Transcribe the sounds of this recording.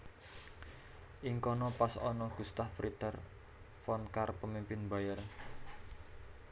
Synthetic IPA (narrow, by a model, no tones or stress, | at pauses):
ʔiŋkɔnɔpasɔ̰nɔɡ̥ṳst̪ahfɾit̪ər | fɔnkarpəmimpɪnbajər